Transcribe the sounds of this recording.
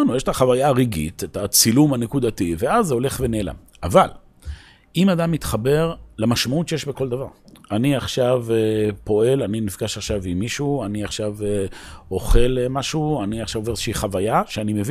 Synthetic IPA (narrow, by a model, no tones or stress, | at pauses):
nujeʃe̥t̪aχavajaːʁiɡḭt̪etat͡silumanekud̪ativeazeo̞le̞χveneːla̰m | aval | imad̪amːit̪χabe̞ʁlamaʃmautt͡ʃejeʃbeko̞ld̪avaʁaniaχʃavepo̞e̞laninifɡaʃaχʃavimiʃuaniaχʃaveo̞χe̞lemaʃuaniaχʃavoveezʃiiχavajaʃeanimev